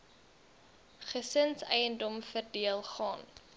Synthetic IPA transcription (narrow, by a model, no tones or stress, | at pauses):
χəsənsɛjəndɔmfərdiəlˠχɑːn